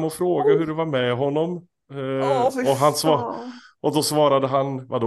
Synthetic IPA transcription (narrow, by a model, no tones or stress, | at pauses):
mɔfɾoːɡaɦɵɾɛvaɾmɛɦɔnːɔm | ɔɦansvɑ | ʔɔd̪ɔsvɑːɾad̪əɦanvad̪